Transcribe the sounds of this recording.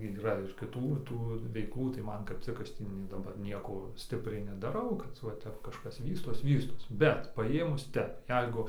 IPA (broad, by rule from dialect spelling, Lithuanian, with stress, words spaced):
iːˈrɐ ɪr kʲɪˈtuː ˈtuː ʋʲɛɪˈklˠuː tɐɪ ˈmɐn kɐp ˈt͡sʲɪk ˈɐʃ ˈtʲiː nʲiɛ dɐˈbɐr ˈnʲiɛkoː ˈsʲtʲɪpʲrʲɛɪ nʲɛdɐˈrɐʊ kɐt ʋɐ ˈtʲɛp kɐʃˈkɐs ˈʋʲiːstoːs ˈʋʲiːstoːs ˈbʲɛt pɐˈjeːmʊs ˈtʲɛp ˈjɛɪɡʊ